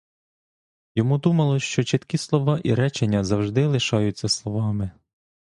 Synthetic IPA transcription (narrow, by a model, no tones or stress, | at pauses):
jɔmud̪umɐlˠɔʃt͡ʃɔt͡ʃɪt̪kʲislˠɔʋɑʔiɾɛt͡ʃenʲːɐzɐwʒd̪ɪlˠɪʃɑjʊt͡sʲːɐslˠɔʋɑmɪ